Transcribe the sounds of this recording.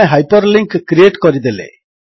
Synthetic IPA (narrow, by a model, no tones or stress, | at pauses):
eɦajpɔɾliŋkkɾieʈkɔɾid̪elḛ